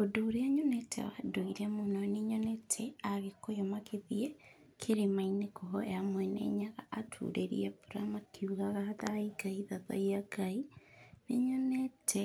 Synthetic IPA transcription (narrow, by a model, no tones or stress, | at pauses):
odoːɾeaɲonɛtʰɛ̰wa̰doiɾɛmonɔneɲɔnɛtʰɛaɣekojɔmakʰeðiɛ | kʰeɾemainekɔɦɔejamwɛnɛ̰ɲaɣa̰ʔːtʰṵːɾeɾḭɛpuɾamakʰiuɣaɣahataiɡaiðaðɔ̰jaɡaineɲɔnɛtʰɛ